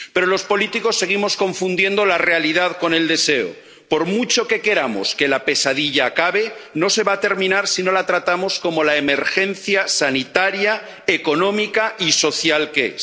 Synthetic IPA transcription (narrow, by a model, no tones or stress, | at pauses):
pe̞ɾolo̞spo̞lit̪iko̞sːe̞ɣ̞imo̞sko̞ɱfund̪je̞nd̪o̞lare̞aliðaðko̞ne̞ld̪e̞se̞o̰ | po̞ɾmut͡ʃo̞ke̞ke̞ɾamo̰ske̞lape̞sað̞iʎaːkaβ̞e̞no̞se̞βaːt̪e̞ɾmĩnaɾsino̞lat̪ɾat̪amosko̞mo̞laeme̞ɾxe̞n̟θjasanit̪aɾja | eko̞nõ̞mikaiso̞θjalkes